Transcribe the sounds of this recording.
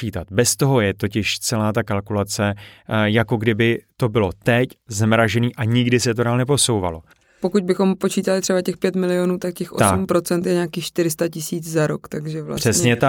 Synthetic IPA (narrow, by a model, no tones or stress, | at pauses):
iːt̪at̪bɛst̪o̞ɦo̞jɛt̪o̞cɪʃt͡sɛlaːt̪akalkulat͡sɛjako̞ɡdɪbɪt̪o̞bɪlo̞t̪ɛczɛmɾaʒɛniːʔaɲɪɡdɪsɛt̪odaːlnɛpo̞so̞wva̰lo̞ | po̞kuɟ̚bɪxo̞mpo̞t͡ʃiːt̪alɪt̪r̥ɛbacɛxpjɛt̪mɪlɪonuːt̪akcɛxʔot̪sumpɾo̞t͡sɛnt̪jɛɲaːkiːxʃt̪ɪɾɪst̪acɪsiːt͡szaɾokt̪aɡʒɛvla̰r̥ɛsɲɛt̪a